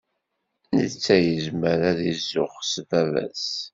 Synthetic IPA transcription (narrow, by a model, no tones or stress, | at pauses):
nət͡sːæjəzməɾæðizːʊχsvævæ̰s